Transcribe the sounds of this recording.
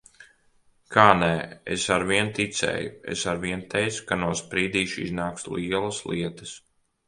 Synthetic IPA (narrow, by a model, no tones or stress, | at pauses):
kʰaːnɛḛsaɾviɛnt̪it̪sɛ̰ːjuḛsaɾviɛnt̪ʰɛjt̪skanuɔspɾiːd̪iːʃḭznaːksliɛlˠɐsliɛt̪ɐ̥s